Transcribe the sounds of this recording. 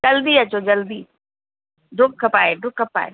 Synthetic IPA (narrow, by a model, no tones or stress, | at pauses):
d͡ʒɐld̪iɐt͡ɕod͡ʑɐld̪iː | ɖʱʊkkʰɐpaːeɖʱʊkkːɐpa̰ːḛ